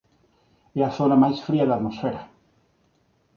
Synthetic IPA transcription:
eaθonamajsfɾiaðat̪mosfeɾa

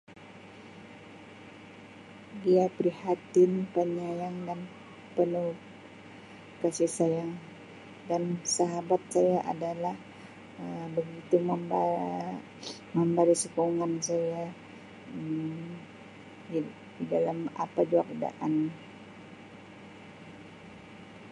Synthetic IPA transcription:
diapɾihat̪ɪnpəɲajaŋdan | pənu | kasihsaja | dansaɦabat̪̚sajaʔa̰dalah | əbəɡit̪uməmb | məmbaɾisəkouŋansaja | ə | didalama̰pad͡ʒuakda̰ʔan

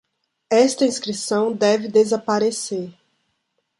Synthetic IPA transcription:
ɛst̪ɐĩskɾisɐ̃w̃d̪ɛvɪd̪ezapaɾeseɾ

